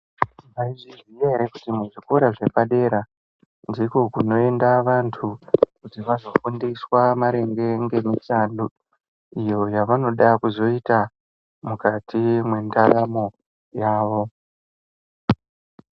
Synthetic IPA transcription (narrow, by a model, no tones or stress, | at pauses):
ʋaiʐizwieɾekutimuʐiko̞ɾaʐe̞paɗe̞ɾa | ndiko̞kuno̞e̞ndaʋantʰukutiʋazo̞fundiswamaɾe̞ŋɡe̞ŋɡe̞mitandu | ijo̞jaʋano̞ɗakuzo̞ita | mukatʰimwe̞ndaramo̞ | jaːʋo̞